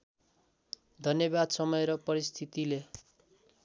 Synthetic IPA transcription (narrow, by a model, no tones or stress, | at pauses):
d̪ʱʌnjʌbad̪sʌmʌjeɾʌpʌɾist̪ʰit̪ile